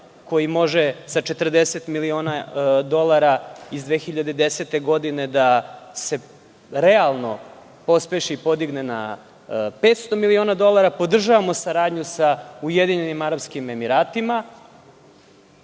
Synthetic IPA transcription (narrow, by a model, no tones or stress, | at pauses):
ko̞jimo̞ʒesat͡ʃe̞t̪r̩d̪eset̪milio̞ːnad̪o̞lˠaɾaizd̪ʋexiʎad̪ed̪e̞set̪eɡo̞d̪ine̞d̪ase̞ | ɾealˠno̞ | po̞speʃiipo̞d̪iɡnena̰ | pe̞ːt̪st̪o̞milio̞ːnad̪o̞lˠaɾapo̞d̪r̩ʒaʋamosaɾaːd̪ɲusaujed̪iɲe̞nimaɾapskime̞miɾaːt̪ima